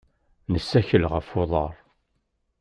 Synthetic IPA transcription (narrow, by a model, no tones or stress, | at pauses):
nəsːæçəlʁəfoðˤɑɾˤ